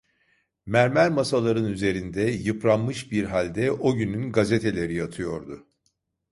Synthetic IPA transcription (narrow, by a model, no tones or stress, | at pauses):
mæɾmæɾmasalˠaɾɯnyze̞ɾind̪ɛjɯpɾanmɯʃbiɾɦalʲd̪ɛʔo̞ɟynynɡazet̪ʰe̞lʲe̞ɾijat̪ʰɯjo̞ɾd̪ʊ